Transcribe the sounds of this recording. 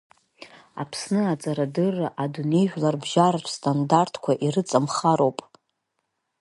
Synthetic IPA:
a̰pʰsnɨat͡sʼaɾadɨrːʔadune̞jʒᶣlarbʒarat͡ʃʷʰstʼandartʰkʷʰaʔiɾɨt͡sʼamχaɾo̞wpʼ

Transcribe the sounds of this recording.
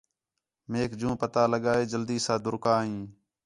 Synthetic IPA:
meːkd͡ʒũːpət̪aːləɠaːeːd͡ʒəld̪iːsãːd̪ʊɾkaːɦĩː

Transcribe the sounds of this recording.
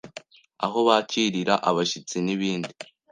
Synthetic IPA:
a̰ɦo̞βaciɾiɾaʔaβaʃit͡siniβiːndi

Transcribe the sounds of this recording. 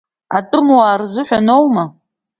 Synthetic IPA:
atʼɨmwaːrzɨħʷᶣanowma

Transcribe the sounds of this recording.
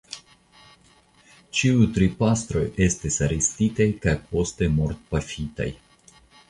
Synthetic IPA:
t͡ʃiujt̪ɾipast̪ɾo̞je̞st̪isaɾistitajkajpo̞st̪emo̞ɾt̪̚pafita̰j

